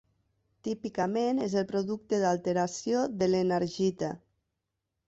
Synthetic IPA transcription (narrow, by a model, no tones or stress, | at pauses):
t̪ipikəmenezelˠpɾoðuk̚t̪eðalˠt̪eɾasioðəlenəɾʒit̪ə